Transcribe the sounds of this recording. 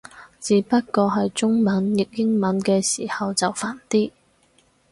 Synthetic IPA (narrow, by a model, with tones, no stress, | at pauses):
t͡siː˨˥pɐ˥t̚kɔː˧ɦɐ˨jt͡sʊ˥ŋmɐ˨˥njɪ˨k̚jɪ˥ŋmɐ˨˧˥nkɛː˧siː˨˩hɐ˨wt͡sɐ˨wfaː˨˩nt̪iː˥